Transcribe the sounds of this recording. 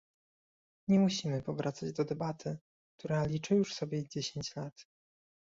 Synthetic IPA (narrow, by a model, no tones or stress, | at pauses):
ɲɛmuɕimɘpɔvɾʔat̪sad͡ʑd̪ɔd̪ɛbat̪ʰɘ | k̚t̪uɾalʲit͡ʂɘjuʂsɔbʲjɛd͡ʑeɕeɲt͡ɕlat̪